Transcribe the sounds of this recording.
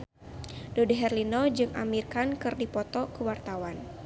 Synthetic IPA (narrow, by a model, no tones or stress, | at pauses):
dodeɦɛrlinɔd͡ʒɨŋʔa̰mirkankɨrdipɔt̪ɔkəwart̪awan